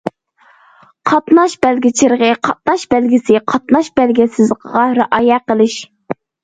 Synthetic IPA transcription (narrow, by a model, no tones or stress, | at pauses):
qʰɑt̪nɑʃbælɡʲɪt͡ʃʰɪɾʁəqʰɑt̪̚nɑʃb̥ælɡʲɪsɪqʰɑt̪̚nɑʃb̥ælɡʲɛsɪzqʰəʁɑɾɨʔɑjɛqəlˠɪʃ